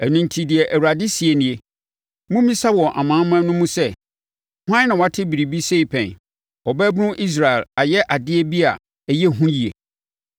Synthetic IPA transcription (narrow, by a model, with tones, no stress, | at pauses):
æ˨nũ˦n̩˦tʰi˦dɪ˨ɛ˨ʔæ˨wɾa˨dɪ˦si˨e˨nɪ̃˨e˨ | mũ˦mĩ˦sa˦wɔ˨ʔa̰˨mãː˨˦mã˦nʊ̃˦mũ˦sɛ˦ | hʷã˦nã˨wa˨˦tʰɪ˦bi˨ɾi˨bi˦se˦i˨pʰɛ̰̃˨n | ɔ˨bɛ˦bnʊ̃˦ʔi˦s̬ɾa˨ɛ˨la˨jɛ˦ʔa˨dɪ˦e˦bi˦a̰˨ | jɛ˦˨ɦũ˦ji˨ḛ˨